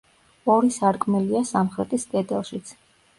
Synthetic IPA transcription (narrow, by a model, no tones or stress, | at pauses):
ɔɾisaɾkʼmɛliasamχɾɛt̪ʼisd̪ʼɛd̪ɛlˠʃit̪sʰ